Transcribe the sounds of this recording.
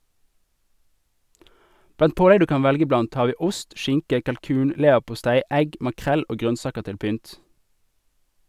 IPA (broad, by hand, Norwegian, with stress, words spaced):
ˈblɑnt ˈpoːlɛɡ ˈdʉː ˈkɑːn ˈʋɛlɡə ˈblɑnt ˈhɑːʁ ˈʋiː ˈʊst ˈʃɪŋkə kɑlˈkʉːn ˈleːʋəʁpʊˌstæɪ ˈɛɡ mɑˈkʁɛl ˈoː ˈɡʁœnˌsɑːkəʁ ˈtɪl ˈpʏnt